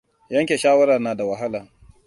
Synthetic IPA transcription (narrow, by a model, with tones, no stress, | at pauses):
jɐ˦ŋkʲeː˨ʃaː˦wɐ˦ɾa˨rnaː˨da˨wɐ˨ɦa˦laː˨